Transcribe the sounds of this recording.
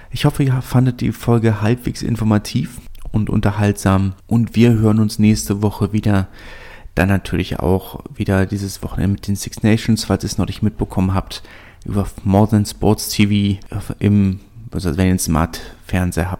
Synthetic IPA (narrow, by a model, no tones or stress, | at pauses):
ʔɪçhɔfəiːɐfandət̚d̥ḭːfɔlɡəhalpv̥ḛːksɪ̰nfɔɐmatʰiːfʔʊntʔʊ̰ntɐhaltz̥aːmʔʊntv̥iːɐɦøːʁənʊnsnɛːçstəvɔχəviːdɐ | d̥a̰nːatʰyːɐlɪçʔa̰ʊxviːdɐdiːzəsv̥ɔχn̩ʔɛ̰ndəmɪtd̥eːnsɪksnɛʃnsfaɪlsiːsnɔnɪçmɪt̚b̥əkʰɔmənɦaːpt | ʔy̰ːbɐmɔɐdɛnspɔɐtstʰiviːʔɪmsasvɛniːɐɪnsma̰ɐtfɛɐnzeːɐɦaːp̚